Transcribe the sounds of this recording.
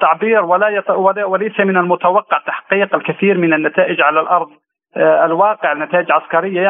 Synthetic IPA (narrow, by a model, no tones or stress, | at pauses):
t̪ːaʕbiːɾwalajtwalawɪlejsamɪnalmʊt̪awɑqːɑʕt̪ːaħqiːqɪlkaθiːɾmɪnanːat̪aːʔɪd͡ʒʕalalʔɑɾˤd̪ˤ | ɪlwɑːqɪʕɪlnːat̪aːʔɪd͡ʒlʕaskɑɾɪjːa